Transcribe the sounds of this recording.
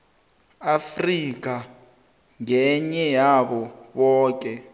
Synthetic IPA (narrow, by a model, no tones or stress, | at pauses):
afrik̬ʼa | ŋɛɲɛjaɓɔɓɔːk̬ʼɛ